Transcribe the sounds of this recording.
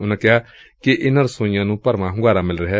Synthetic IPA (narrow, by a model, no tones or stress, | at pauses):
ʊnẽːkɪɦaː | kɪʔɪnəɾsõːɪ̃jãːnũːpəɾmãːɦʊ̃ɡaːɾãːmɪlɾəɦɛː